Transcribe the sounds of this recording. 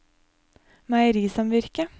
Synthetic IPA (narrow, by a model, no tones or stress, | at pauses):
mæəɾiːsɑmʋɪɾkə